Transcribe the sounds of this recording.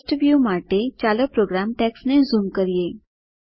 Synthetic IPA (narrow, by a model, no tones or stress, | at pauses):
sʈʋjuːmaʈet͡ɕaːləpɾoːɡɾaːmʈɛksnezumkəɾije